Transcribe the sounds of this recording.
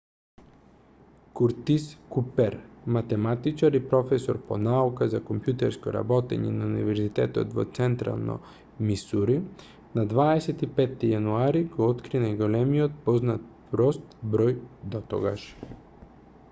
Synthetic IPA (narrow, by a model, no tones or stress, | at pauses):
kuɾt̪iskupɛɾmat̪ɛmat̪it͡ʃaɾipɾɔfɛsɔɾponaukazakompjut̪ɛɾskɔ̰ɾa̰bɔt̪ɛ̰ɲɛ̰naunḭvɛɾzit̪ɛt̪ɔ̰t̪vot̪sɛnt̪ɾa̰lˠno̰ | misuɾi | nad̪vaɛsɛt̪ipɛt̪ːijanuaɾiɡɔɔt̪kɾinajɡolɛmiot̪̚pɔznat̪̚pɾɔst̪bɾɔjd̪ɔt̪ɔ̰ɡaʃ